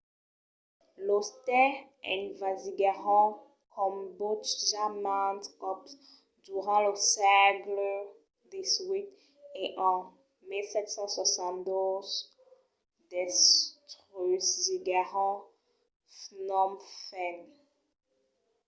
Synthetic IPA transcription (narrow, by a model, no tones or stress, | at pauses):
lost̪ɛ | ɛ̰̃nvaziɡaʁɔ̃ | kʰɔmbot̪ʒamãnt̪ɔps | d̪yʁɑ̃ləsɛɡl | d̪iswik | eʔɑ̃ | milsɛt̪sɑ̃swasɑ̃nd̪oz | d̪ɛst̪ʁyzziɡaʁɔ̃ | fnɔmfɛn